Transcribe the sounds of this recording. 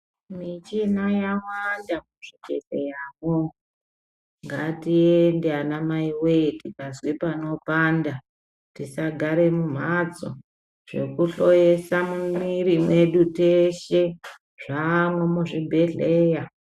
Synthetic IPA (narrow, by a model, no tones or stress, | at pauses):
mit͡ʃinajawwandamuʐid͡ʒḛɮejamo | ŋɡatiendeanamaiwetikazwipano̞paːnda | tisaɡʱaɾe̞mum̤at͡so̰ | ʐ̥e̞̰kuɬojesamumirime̞ɗuteʃe | ʐamwemuʐibʱe̞ɮeːja